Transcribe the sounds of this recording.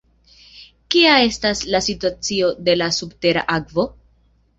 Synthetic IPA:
kiae̞staslasituat͡sio̞de̞lasubte̞ɾa̰ʔakvo̞

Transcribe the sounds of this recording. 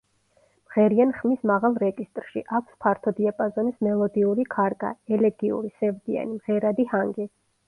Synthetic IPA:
mʁɛɾianχmismaʁalˠɾɛd͡ʒist̪ʼɾʃiʔakʷʰspʰaɾt̪ʰɔd̪iapʼazɔnismɛlˠɔd̪iuɾikʰaɾɡʼa̰ɛlɛɡiṵɾisɛvd̪ia̰nimʁɛɾad̪ihaŋɡɛ

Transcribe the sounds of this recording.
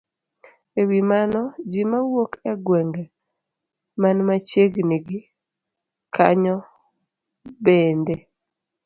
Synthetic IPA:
ewimanɔd͡ʒimawokɛɡwɛŋɡe | manmat͡ʃeɡniɡɪ | kʰa̰ɲɔ | bende

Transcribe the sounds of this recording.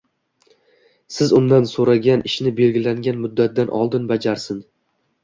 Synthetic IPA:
sɪzʊmd̪ansoɾaɡʲanʔɪʃnɪbe̞lɡʲɪlaŋɡʲanmʊd̪ːat̪̚d̪anʔɒ̰lˠd̪ɪnbad͡ʒaɾsɪn

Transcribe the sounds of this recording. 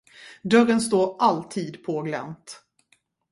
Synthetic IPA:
d̪œɾənst̪oːɾʔalt̪ʰiːd̪pʰoːɡlɛ̰nt̪

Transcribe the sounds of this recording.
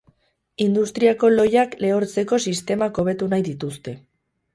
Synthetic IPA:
ind̪ust̪ɾiako̞lo̞jakle̞oɾt͡se̞ko̞sist̪e̞mako̞β̞e̞t̪unajðit̪ust̪e̞

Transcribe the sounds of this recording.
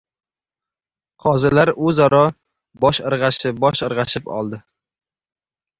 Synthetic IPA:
qʰɒzɪlaɾɵzɒɾɒ | bɒʃɨɾʁɑʃɪbɒʃɨɾʁɑʃɪpɒ̰lˠd̪ɪ

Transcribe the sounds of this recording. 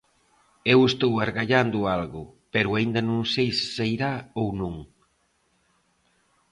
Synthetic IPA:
ewest̪owaɾɣaʎand̪ʊalɣʊpɛɾʊaind̪ɐnõŋsejssejɾaownõŋ

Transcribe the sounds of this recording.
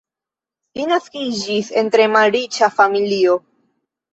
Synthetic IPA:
linaskid͡ʒise̞ntɾe̞malɾit͡ʃafamilio̞

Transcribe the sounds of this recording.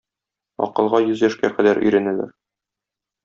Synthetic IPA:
ɒ̰qɤ̆lˠʁɑjɵzjæʃkæqæd̪æɾʔɵ̰̆jɾænælæ̰ɾ

